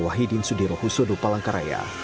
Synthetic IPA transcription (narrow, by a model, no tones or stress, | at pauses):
waɦidinsudiɾɔhusodɔpalaŋkaɾa̰ja̰